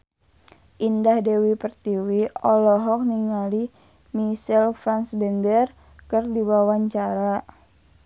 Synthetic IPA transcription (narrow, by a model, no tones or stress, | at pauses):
ʔindahdewipərt̪iwiɔlɔɦɔk̚niŋali | misɛlfɾansbɛndər | kərdiwawaɲt͡ʃaɾa